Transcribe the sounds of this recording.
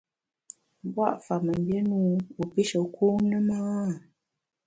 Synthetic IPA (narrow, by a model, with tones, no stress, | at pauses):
bwa̰˦˨ʔfa˨mə˨m˨bje˦nu˦u˨pi˦ʃə˨kʰu˦nə˦ma˦˨